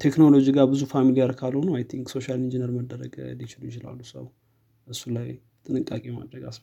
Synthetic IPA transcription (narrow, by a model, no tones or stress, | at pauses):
t̪ʰe̞kno̞lo̞d͡ʒiɡaɾbɨzufamiliaɾkʰalho̞nuajt̪ʰiŋɡso̞ʃalind͡ʒinəɾməd̪ːəɾə̰ɡlit͡ʃɪlujɪt͡ʃɪla̰lːusə̰w | ʔɨsːulaj | t̪ʼɨnɨkʼːakʼeɛma̰d̪ɾəɡas